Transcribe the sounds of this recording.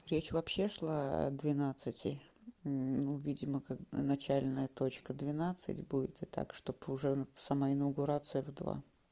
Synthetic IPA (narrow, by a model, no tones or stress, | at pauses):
ɾʲet͡ɕvɐpɕːe̞ʂlˠaɐ̰d̪vʲɪnat̪sɨtʲɪ | nuvʲidʲɪməkaknɐt͡ɕælʲnəjət̪o̞t͡ɕkəd̪vʲɪnat̪sɨ̰tʲbudʲɪ̰t̪ɨt̪a̰kʂt̪o̞pʊʐɛsɐmaɪnəɡʊɾat̪sɨjəvd̪va̰